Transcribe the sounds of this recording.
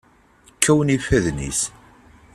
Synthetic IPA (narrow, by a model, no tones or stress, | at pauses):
kʰːæwənifæðnḭs